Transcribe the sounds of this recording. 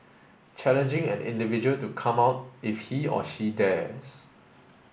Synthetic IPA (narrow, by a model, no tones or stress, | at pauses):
t͡ʃʰɛlə̃nd͡ʒɪ̃ŋɛ̰̃nɪ̰̃ndivid͡ʒuəltukʰãmaʊt̚ɪfhiɔ̰ʃidɛs